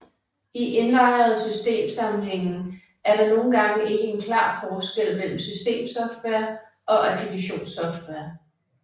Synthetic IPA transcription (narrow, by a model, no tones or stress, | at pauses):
iʔenlɑ̈ɪɐð̞̩ˠsysd̥e̝̰ːmsɑ̈mn̩ɦeŋ̰n̩ | æɐɾ̥ɑ̈no̝ːn̩ɡ̥ɑ̈ŋəe̝ɡ̥əe̝nkʰlɑ̰̈ːfɒːsɡ̥el̰mel̰m̩sysd̥e̝̰ːmsɒ̽fd̥ʋeɐ | ʔɒ̽ʔæbʰliɡ̥æɕo̝̰ːnsɒ̽fd̥ʋeɐ